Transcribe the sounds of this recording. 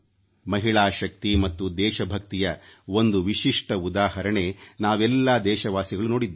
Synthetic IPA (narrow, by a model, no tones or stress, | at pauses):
mɐɦiɭaːʃɐk̚t̪imɐt̪ːud̪ɛːʃɐbʱɐk̚t̪ijɐond̪uʋiʃiʂʈɐud̪aːɦɐɾɐɳe̞naːʋɛlːaːd̪ɛːʃɐʋaːsiɡɐɭuno̞ːɽid̪